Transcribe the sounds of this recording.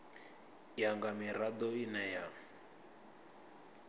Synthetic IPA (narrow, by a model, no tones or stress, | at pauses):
jaŋɡamiɾad̪ɔinaja